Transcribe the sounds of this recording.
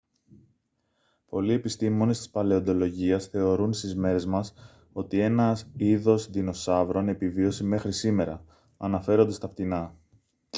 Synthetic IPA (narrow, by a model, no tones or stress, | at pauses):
po̞lie̞pist̪imo̞ne̞st̪ispɐle̞o̞nd̪o̞lo̞ʝiɐsθe̞o̞ɾunst̪izme̞ɾe̞zmɐs | o̞t̪ie̞nɐsiðo̞sðino̞sɐvɾo̞ne̞pivio̞sime̞xɾisime̞ɾɐ̰ | ɐnɐfe̞ɾo̞nd̪ɐst̪ɐpt̪inɐ